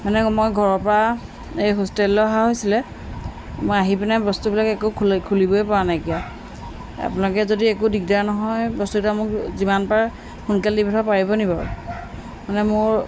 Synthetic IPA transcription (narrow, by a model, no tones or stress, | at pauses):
manɛmojɡʱɔɹɔpɔɹa | ejɦostelːɔɦaɦojsilɛ | mojaɦipinɛbɔstubilakɛkukʰkʰulibɔjpɔɹanajkija | a̰punakɛzodiɛkudiɡ̚daɹnɔɦɔjbɔstuɡtamʊkzimanpaɹ | xunkaldibʱitʰapaɹibɔnipaɹṵ | manɛmʊɹ